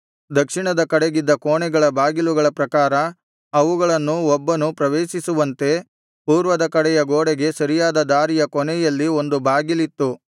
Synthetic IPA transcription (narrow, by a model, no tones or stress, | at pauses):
d̪ɐkʂiɳɐd̪ɐkɐɽeɡid̪ːɐkoːɳɛɡɐɭɐbaːɡiluɡɐɭɐpɾɐkaːɾɐ | ɐʋuɡɐɭɐnːuɔbːɐnupɾɐʋeːʃisuʋɐnt̪e̞ | puːɾʋɐd̪ɐkɐɽɛjɐɡoːɽeɡe̞sɐɾijaːd̪ɐd̪aːɾijɐkɔnɛjɐlːio̞nd̪ubʱaːɡilit̪ːu